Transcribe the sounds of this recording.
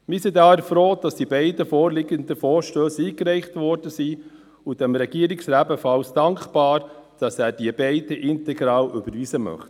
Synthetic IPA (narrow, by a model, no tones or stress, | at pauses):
mɪsidɑːəɾfɾoːd̥ɑsd̥ibɛɪdəfɔːɾlɪɡənd̪əfɔːɾʃtøːsiːkɾɛɪχtʋɔɾd̥əsiː | ud̥ɛmɾɛɡ̥iəɾɪksɾæːbəfɑlsd̥ɑŋkχb̥ɑːɾd̥ɑsæːɾd̥iəbɛɪdəʔɪnt̪ɛɡɾɑːlʔʏbəɾviːsəmœ̰χt